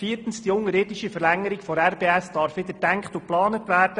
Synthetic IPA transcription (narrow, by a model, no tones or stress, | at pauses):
fiːɾtən̩sd̥iʊŋːəɾɪdiʃifəɾlæŋːəɾikfɔɾærb̥eːæsd̥ɑɾfʋɪd̪ədæŋkχtuplɑːnətʋæːɾd̥ə